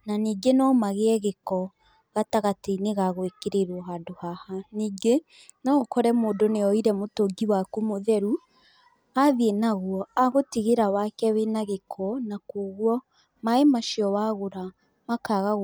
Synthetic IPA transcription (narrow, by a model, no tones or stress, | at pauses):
naniːɡenɔmaɣeɛɣekɔ | ɣataɣateneɣaɣoekeɾeɾwɔɦadohahaniːɡe | nɔkɔɾɛmoːdoneɔiɾɛmotoɡiwakumoðɛɾu | aðienaɣwɔaɣotiɣeɾawakɛwenaɣekʰɔnakoɣwɔ | maemaʃiɔwaɣoɾa | makaɣa